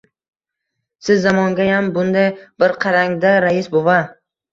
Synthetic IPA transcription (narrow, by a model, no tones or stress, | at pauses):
sɪzːamɒŋɡʲajambʊnd̪ajbɪɾqʰɑɾaŋd̪aɾajɪsbova